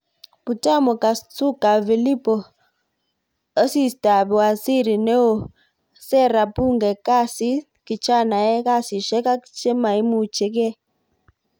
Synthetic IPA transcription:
pu˨ta˦mɔ˨ka˨su˦ka˨vi˨li˦pɔ˨˦ | si˦˨sta˨bu˨a˨si˦˨ɾi˨nɛ˦o˨ | sɛ˦˨ɾa˨pu˦˨ŋɡɛ˨ka˦˨si˦ | ki˨t͡ʃa˦˨na˨ɛ˦ka˦˨si˨ʃɛ˦ka˦ki̥t͡ʃɛ˦ma˨i˦mu˦˨t͡ʃe˦k̬ɛ˦

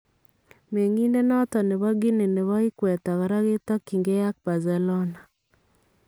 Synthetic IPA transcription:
me˨ŋi˦nde˦nɔ˦t̪ɔ˨nɛ˨βɔ˦ɡi˦ne˨ne˨βɔ˦ɪ˦kwɛ˨t̪a˨ka˨ɾa˦ɡɪ˦t̪ɔ˦ki˨ŋɡe˦ja˦k̚ba˨zɛ˨lɔ˦na˨

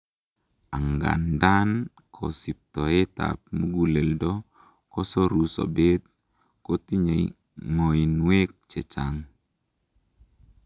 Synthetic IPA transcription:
a˨ŋɡa̰˨nda˦n | kʰɔ̰˨si˨p̚t̪ɔ˨e˦ta̰˨p̚mu˦ɡu˦le˨ldɔ˦ | kɔ˦sɔ˦ɾu˨sɔ̰˨be˦t̪̚ | ko˦t̪i˦ɲe˨ | ŋo˨i˨nwe˦k̚t͡ʃɛ˨t͡ʃa˦ŋ

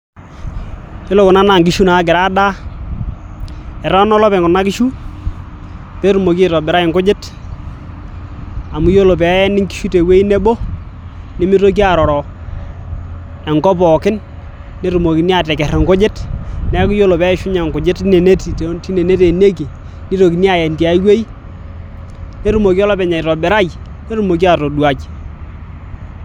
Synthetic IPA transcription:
jo˦lo˨kʊ˨na˦na˨ŋɡ̬ɪ˦ʃu˦na˨˦ɡɪ˨ɾa˦da˦ | ɛ˨ɾɔ˦nɔ˦lɔ˦pɛ˨ŋɡʊ˨na˦kɪ˦ʃu˦ | pɛ˦ɾu˨mo˨ki˦˨tɔ˨bɪ˨ɾa˦ɪ˨ŋkʊ˦d͡ʒɪ˦t | a˨mu˨˦jo˦lo˨pɛ˨˦nɪ˦ŋki̥˦ʃu˦te˨we˦i˦ne˦bo˦ | nɪ˦mɪ˦to˦k̬i˦a˨ɾɔ˨ɾɔ˨ | ɛ˨ŋkɔ˦pɔ˨kɪ˦nː | e˦ɾu˨mo˨ki˨ni˦a˨tɛ˨kɛ˨rɛ˨ŋkʊ˦d͡ʒɪ˦tnɛ˦kʊ˦jo˦lo˨pɛ˦ʃʊ˦ɲa˨ŋkʊ˨d͡ʒɪ˦tne˨ne˦ti˨tti˦ne˨ne˦te˨ne˦k̬i˨ | ni˦ɾo˨ki˨ni˦a˨jɛ˨nti˨a˨i˦we˦i˦ | ne˦ɾu˨mo˨ki˦ɔ˦lɔ˦pɛ˨ɲa˨ɾɔ˨bɛ˨ɾa˦j | ne˦ɾu˨mo˨k̬i˦a˨to˨dwa˨t͡ʃ

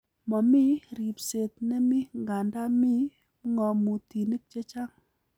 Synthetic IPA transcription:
mɔ˨mi˦ɾi˨pse˨t̚nɛ˦mi˦ŋɡa˨nda˦mi˦ | ŋɔ˨mu˨ti˨ni˦k̚t͡ʃe˦t͡ʃa˦ŋ

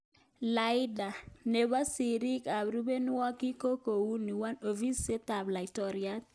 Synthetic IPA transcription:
la˨˦ɪ˦da˨ne˨ba˦si˨ɾi˦ka˨bɾu˦be˦n˦ɔ˦ki˦ko˦ko˨wu˦ni˨wa˦no˨vi˦se˦ta˨bla˨i˨tɔ˨ɾija˦t̚

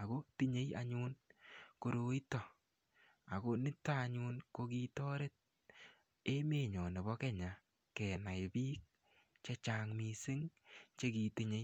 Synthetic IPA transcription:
a˨ɡo˦ti˦ɲe˦ja̰˧ɲu˦nko˨ɾo˨i˦tɔ˨ | a˨ko˦nɪ˦taː˦˨ɲuː˦nko˧ki˦tɔː˦ɾe˦t̚ | e˦me˨ɲɔ˨ne˨bɔ˦kɛ˦ɲa˨ | kɛ˨na˨ɪ˨biː˦k̚ | t͡ʃe˦t͡ʃa˨ŋmi˨sɪ˦ŋt͡ʃe˦ki˨ti˦ɲe˨˦j

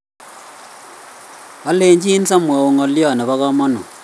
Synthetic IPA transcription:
a˨˦le˨ɲd͡ʒi˦n˦sa˦mwa˨o˨ŋɔ˨ljɔ˦˨nɛ˨βa˦kɔ˦mɔ˦nɔ̰˨

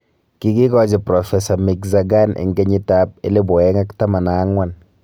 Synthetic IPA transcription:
ki˦ɡi˦ɡɔ˦d͡ʒɪ˨pɾɔ˨fɛ˨sa˨mi˨kza˨ɡa˦nḛ˨ŋɡe˦ɲɪ˦ta˦p̚e˦le˦bɔ˨ɛ˦ŋa˦kta˦ma˨naː˨˦ŋwa˨n

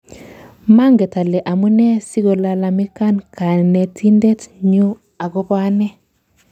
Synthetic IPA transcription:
ma˦ŋɡɛ˨ta˨lɛ˨ʔa˨mu˦nɛ˦si˦ɡɔ˨la˨la˨mi˦ka˦nkʰa˨nɛ˨tʰi˦ndɛ˦tɲu˦ | a˨ɡɔ˦pa˦nɛ˦

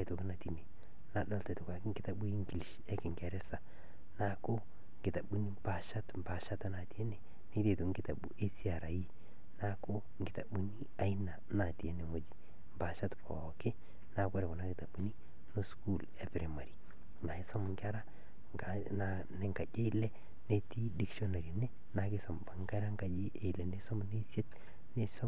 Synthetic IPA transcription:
a˦jto˨ki˦na˨ti˨ne˨ | na˨dɔ˦lte˨to˨ka˨kŋɡɪ˦ta˨bu˦i˦ŋɡi˨li˨ʃ | e˦kɪ˨ŋke˨ɾe˦sa˨ | na˨ko˦ | ŋɡɪ˨ta˨ɓu˦ni˦mba˨ʃa˦tmba˨ʃa˦ta˦na˨ti˨˦e˦ne˨ | ni˦te˨to˨ŋɡɪ˦ta˨ɓṵ˦ʔe˦si˦a˨ɾa˨ji˦ | na˦ko˦ | ŋ˨ɡɪ˨ta˨bu˦ni˦a˨i˦na˨na˨ti˨e˦ne˨ŋo˨d͡ʒi˨ | mba˨ʃa˦tpɔ̰˨kɪ˦ | na˨ka˦ɾe˨ko˨na˦kɪ˨ta˨bu˨˦ni˦ | no˦sku˦˨le˨pɾe˨ma˨ɾi˨ | na˨i˦sɔ˦m˨ŋka˦ɾa˦ | ŋa | na | ne˦ŋɡa˨d͡ʒe˦i˦lɛ˦ | ne˦ti˦di˦ksɔ˦na˨ɾi˨ne˦ | na˨kɪ˦sɔ˨mba˨ŋɡa˦ɾa˦ŋɡa˨d͡ʒi˦ʔe˨i˨lɛ˨ne˦sɔ˦mne˦sje˦t̚ | ne˦sɔ˦

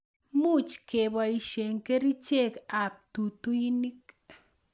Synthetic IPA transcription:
mu˦t͡ʃke˨ba˧i˧ʃe˨ŋke˦ɾi˦t͡ʃe˦ka˨p̚t̪u˨t̪u˦ji˦ni˦k

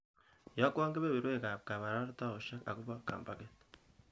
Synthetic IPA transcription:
ja˨˦ku˦aː˦ŋɡe˦βe˦βi˨ɾwe˦˨ka˨ka˨βa˨ɾa˦ɾta˦o˨ʃa˦ka̰˨ku˦βa˦ka̰ː˨mba˨ke˦t

